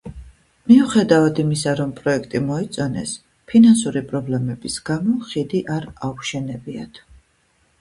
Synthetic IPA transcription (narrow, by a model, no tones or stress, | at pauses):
miuχɛd̪avad̪imisaɾɔmpʼɾɔɛkʰt̪ʼimɔit̪sʼɔnɛ̰s | pʰinansuɾipʼɾɔblɛmɛbisɡamɔχid̪iʔaɾauʃɛnɛbiat̪ʰ